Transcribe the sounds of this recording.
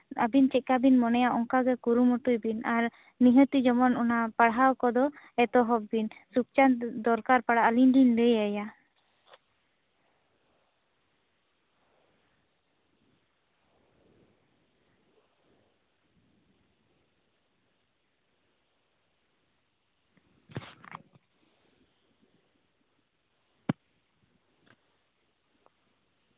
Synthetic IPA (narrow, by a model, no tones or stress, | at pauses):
a̰bint͡ʃɛc̚kabinmɔnɛjaʔɔŋkaɡɛkuɾumɔʈujbinaɾ | niɦət̪id͡ʒɔmɔnɔnapaɽɦawkɔd̪ɔ | ɛt̪ɔɦɔbbinsuk̚t͡ʃand̪ɔɾkaɾpaɽaʔəlinɖinləjaja